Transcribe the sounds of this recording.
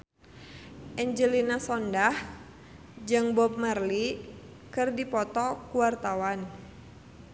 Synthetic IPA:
ʔɛɲd͡ʒəlinasɔndah | d͡ʒɨŋbɔp̚mərli | kɨrdipɔt̪ɔkuwart̪awan

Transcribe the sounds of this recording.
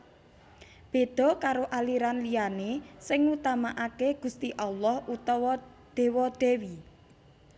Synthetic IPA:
b̥e̤d̪̥ɔ̤kaɾoʔaliɾanlijanesɪŋut̪amaʔakeɡ̥ṳst̪iʔalɔhut̪ɔwɔ | d̪̥e̤wɔd̪̥e̤wi

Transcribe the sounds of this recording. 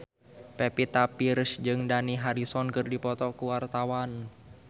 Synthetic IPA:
pepit̪apirsd͡ʒɨŋdaniɦaɾisɔnkɨrdipɔt̪ɔkuwart̪awan

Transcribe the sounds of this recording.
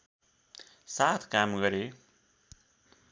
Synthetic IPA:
sat̪ʰkamɡʌɾe

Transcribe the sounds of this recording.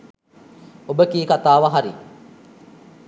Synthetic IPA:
obəkiːkat̪aːʋaɦaɾi

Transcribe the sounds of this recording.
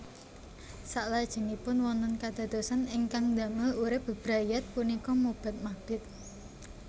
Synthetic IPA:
saʔlad̥ʒ̥ə̤ŋipʊnwɔnt̪ənkad̪̥a̤d̪̥osanɪŋkaŋd̪ä̤məuɾɪb̥ə̤b̥ɾajat̪̚kunikɔmub̥a̤t̪̚maɡ̚d̥ɪt̪̚

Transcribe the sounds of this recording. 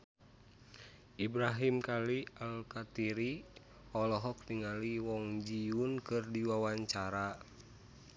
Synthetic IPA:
ʔibɾaɦimkalialkat̪iɾi | ɔlɔɦɔk̚niŋaliwɔŋd͡ʒiunkɨrdiwawaɲt͡ʃaɾa

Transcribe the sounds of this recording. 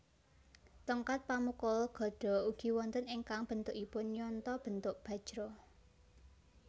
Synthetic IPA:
t̪ɔŋkat̪̚pamukɔlɡ̥ɔ̤ɖ̥ɔ̤uɡ̥i̤wɔnt̪əniŋkaŋb̥ə̤nt̪ʊʔipʊnɲɔnt̪ɔb̥ə̤nt̪ʊʔb̥ä̤̥ʒ̥ɾɔ

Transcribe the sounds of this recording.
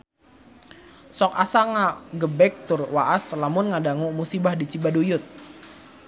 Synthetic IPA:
sɔk̚asaŋaɡəbɛk̚t̪ʊrwaʔaslamʊnŋadaŋumusibahdit͡ʃibadujʊt̪̚

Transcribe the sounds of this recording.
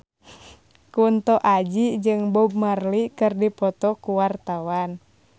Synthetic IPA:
kunt̪ɔʔad͡ʒid͡ʒɨŋbɔb̚marlikɨrdipɔt̪ɔkuwart̪awan

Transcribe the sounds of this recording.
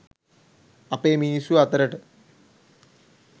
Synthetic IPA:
ɐpeːmiːsuɐt̪ɐɾɐʈɨ

